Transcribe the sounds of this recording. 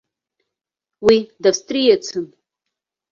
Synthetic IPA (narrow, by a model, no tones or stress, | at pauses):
widafstʼrijat͡sʰɨn